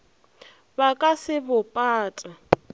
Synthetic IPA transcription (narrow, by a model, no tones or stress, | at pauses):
bakʼasɪbʊpʼaːtʼa